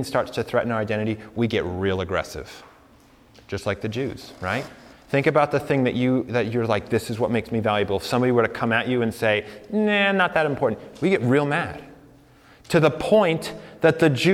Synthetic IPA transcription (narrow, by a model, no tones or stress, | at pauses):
ŋstɑɹtstʰɨθɹɛʔn̩aʊ˞aɪdɛ̃ɾ̃ɨɾiwiɡɛʔ̚ɹilˠɨɡɹɛ̰sɪ̰v̥ | d̥ʒ̥ʌstˡlaɪk̚ðɨd͡ʒʉz̥ɹa̰ɪt̚θɪ̃ŋkɨbaʊt̪̚ðɨθɪ̃ŋðɨt͡ʃɨðɨt͡ʃə˞laɪk̚ðɪsɨzwʌt̚meɪksmivælˠjɨbl̩ˠfsʌ̃mbɑviwə˞ɾɨkʰʌ̃mɨt͡ʃɨɨ̃nseɪnænət̪̚ðɨɾɨ̃m̩pʰɔɹʔn̩twiɡɛt̚ɹilˠmæd̥ | tʰɨðəpʰɔ̃ɪ̃nðɨt̪̚ðɨd͡ʒʉ